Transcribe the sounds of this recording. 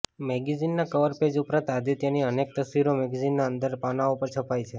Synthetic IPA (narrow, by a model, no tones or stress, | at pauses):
mɛɡizinːakəʋəɾped͡ʒupɾãt̪ad̪it̪janiənek̚t̪əsʋiɾomɛɡizinːaənd̪əɾpanaupəɾt͡ʃʰəpajt͡ʃʰe